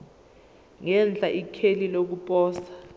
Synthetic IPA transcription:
ŋɛnd͡ɮʱaʔikʰelilok̬upʼɔːsḁ

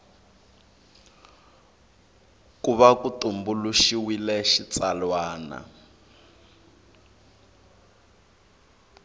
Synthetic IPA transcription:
kuβakutumbuluʃiwilɛʃit͡salwaːna̰

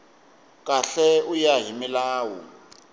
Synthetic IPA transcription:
k̬ʼaɬɛujaɦimilaːwṵ

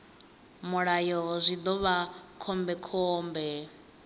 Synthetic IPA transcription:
muɺajɔzʷid̪ɔβakʰɔmbɛkʰɔːmbɛ

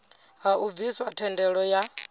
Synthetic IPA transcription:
ɦauviswatʰɛndɛɺɔja

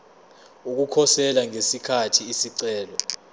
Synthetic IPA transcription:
uk̬ukʰɔsɛlaŋesikʰatʰiːsiǀɛːlɔ

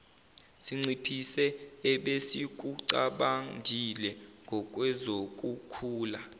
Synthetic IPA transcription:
siŋ͡ǀʱipʰisɛɛɓesik̬uǀaɓaŋdʱilɛŋɡʱɔk̬ʼwɛzok̬ʼukʰuːla

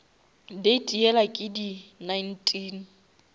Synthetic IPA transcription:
detʼiɛlakʼɪdinajn̩tʰʼiːn

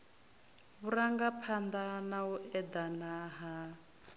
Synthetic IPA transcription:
βuɾaŋɡapʰand̪anauʔɛd̪anaɦa

